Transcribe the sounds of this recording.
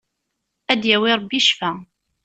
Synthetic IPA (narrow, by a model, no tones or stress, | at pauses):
æd̪jæwiɾˤbːiʃfæ